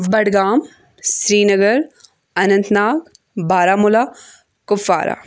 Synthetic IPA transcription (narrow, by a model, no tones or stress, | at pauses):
bɐɽɡaːm | sɾiːnɐɡəɾ | ɐnɐ̃nt̪naːk | bʱaːɾaːmʊlaː | kʊfa̰ːɾa̰ː